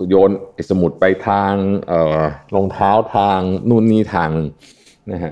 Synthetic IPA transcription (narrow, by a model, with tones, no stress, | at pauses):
joː˧nʔe˨˩sa˧mu˨˩t̪̚pa˧jt̪ʰaː˧ŋʔɤː˨˩lo˧ŋt̪ʰaː˦˥wt̪ʰaː˧ŋnuː˥˩˨nːiː˥˩t̪ʰaː˧ŋ˧ | na˦˥kʰa˦˥